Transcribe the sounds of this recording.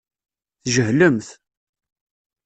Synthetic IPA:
θʒəhləmθ

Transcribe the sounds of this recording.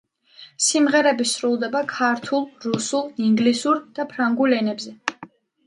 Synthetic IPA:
simʁɛɾɛbisɾulˠd̪ɛbakʰaɾt̪ʰulˠɾusulˠiŋɡlisuɾd̪̥apʰɾaŋɡulɛnɛbzɛ

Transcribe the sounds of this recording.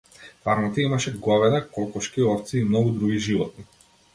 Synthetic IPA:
faɾmɔt̪aimaʃɛɡɔvɛd̪akɔlˠkɔʃkiɔɾt̪siːmnɔɡud̪ɾuɡiʒivɔ̰t̪̚ni

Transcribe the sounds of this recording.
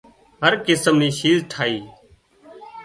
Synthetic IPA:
ɦəɾkɪsəmniːʃiːzʈʰaːiː

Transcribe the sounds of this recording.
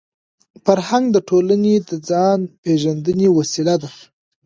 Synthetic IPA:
faɾhaŋɡd̪əʈʰolaned̪əd͡zɑnpeʒand̪ənewasilad̪a

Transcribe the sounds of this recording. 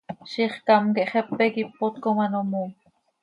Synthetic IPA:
ʃiχkɑmkeʔχɛpːɛkipːot̪komanomo

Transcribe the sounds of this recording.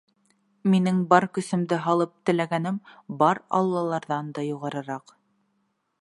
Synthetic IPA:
minɘŋbɑɾkɵ̆sɘ̆md̪ɘɦɑlˠɤp̚t̪ɘ̆læɡænɘmbɑɾɑ̰lˠːɑlˠɑɾðɑnd̪ɑjuʁɑɾɤ̆ɾɑq

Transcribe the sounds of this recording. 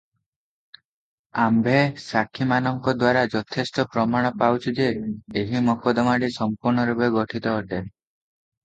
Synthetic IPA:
ambʱesakʰimanɔŋkɔd̪waɾad͡ʒɔt̪ʰest̪ɔpɾɔmaɽ̃ɔpawt͡ʃʰid͡ʒeːɦimɔkɔd̪ɔmaɽisɔmpuɾɳɔɾubeɡɔʈʰit̪ɔːʈeɾ

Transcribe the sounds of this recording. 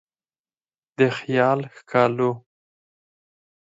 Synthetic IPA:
d̪əxjɑːlxkʰɑlu

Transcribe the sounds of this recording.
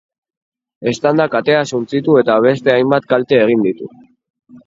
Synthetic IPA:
e̞st̪and̪akat̪e̞asunt͡sit̪ue̞t̪aβe̞st̪e̞ajmbat̪kalt̪e̞ːɣ̞ind̪it̪u

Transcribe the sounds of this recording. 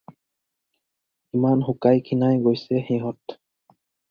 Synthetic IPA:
imanxukajkʰinajɡojsɛxiɦɔt

